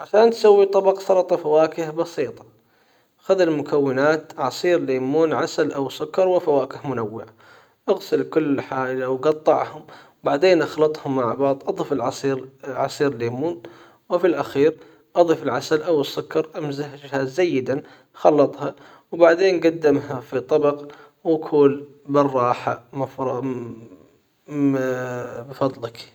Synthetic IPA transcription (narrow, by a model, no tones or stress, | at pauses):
ʕaʃaːnt̪sawːit̪ˤɑbɑqsɑlɑt̪ˤɑfawaːkɪhbɑsiːt̪ˤɑ̥ | xaðɪlmʊkʰawːɪnaːt̪ʕɑsˤiːɾleːmuːnʕasalʔawsʊkːɑɾˤwɪfawaːkɪhmʊnawːɪʕa | ʔaɣsɪlkʊlːħaːlawɡɑt̪ˤːɑʕhʊm | baʕd̪eːnʔɑxlɑt̪ˤhʊmːaʕbɑːðˤʔɑd̪ˤiːfɪlʕɑsiːɾʕɑsˤiːɾlːeːmuːn | wɪfilʔaxiːɾ | ʔɑd̪ˤiːfɪlʕasalʔawɪsːʊkːɑɾˤʔamzahʒɪhaːzːajːɪd̪an | xɑlːɑt̪ˤhɑ | wbaʕd̪eːnɡad̪ːɪmhafit̪ˤːɑbɑq | wakʰuːl | bɨrˤːɑːħamaf | bfɑd̪ˤlɪk